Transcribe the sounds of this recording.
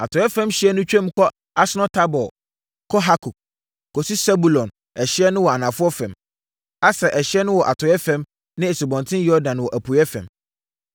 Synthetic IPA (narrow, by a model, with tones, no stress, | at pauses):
a˨tʰɔ˨jɛ˦fɛ̃˦mɕɪ˨˦ɛ˦nʊ̃˦t͡ɕᶣɛ̃˦m˦kʰɔ˦ | a˦sɪ˦nɔ̃˦tʰa˦bɔ˨ | kʰɔ˦ɦa˦kʰu˨ | kʰɔ˨su˦sɛ˦bu˨lɔ̃˨n | ɛ˨ɕɪ˦ɛ˦nʊ̃˦wɔ˨a˨nã˨fʊ˦ɔ˦fɛ̃˨m | a˦sɛ˨ʔɛ˨ɕɪ˦ɛ˦nʊ̃˦wɔ˨ʔa˨tʰɔ˨jɛ˦fɛ̃˦m | nɪ̃˦e˨su˨bɔ̃˨ntʰɪ̃˦jɔ˦dã˨n˨wɔ˨ʔæ˨pʰu˨jɛ˦fɛ̰̃˨m